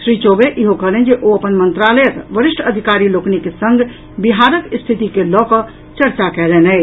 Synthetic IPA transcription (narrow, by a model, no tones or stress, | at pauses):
sɾit͡ʃobeʔiɦokəɦlend͡ʒeʔoəpənmənt̪ɾalekʋəɾisʈʰəd̪ʱikaɾiloknikesə̃ŋɡ | biɦaɾəkst̪ʰit̪ikelɔkə | t͡ʃəɾt͡ʃakɛlɛnəɪ